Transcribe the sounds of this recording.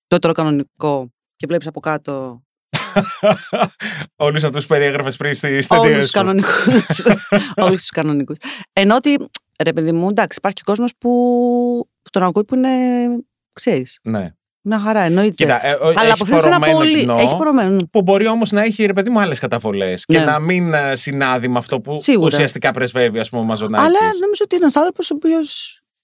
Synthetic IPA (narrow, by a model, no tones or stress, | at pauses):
t̪ot̪eɾokɐno̞niko̞ | cevlepisɐpo̞kɐt̪o̞ | olus̬ɐft̪uspe̞ɾieɣɾɐfespɾinst̪ist̪eolssuskɐno̞nikusolust̪uskɐno̞nikusenoot̪i | ɾe̞peðimud̪ɐksi̥pɐɾçi̥ko̞zmospu | u̥t̪o̞nɐɣuipuine̞ | kseɾisnḛ | mɲɐxɐɾɐeno̞it̪iet̪ɐɐlɐpofθesenɐmolinoeçipoɾomennpubo̞ɾio̞mo̞znɐeçiɾe̞p̬e̞ðimuɐle̞skɐt̪ɐvo̞le̞scnenɐminsinɐðimɐːft̪o̞pusiɣuɾɐsiɐst̪ikɐpɾezve̞viɐspumemɐzonɐɐlɐsno̞mizoot̪ienenɐsɐ̃nθɾoposopio̞s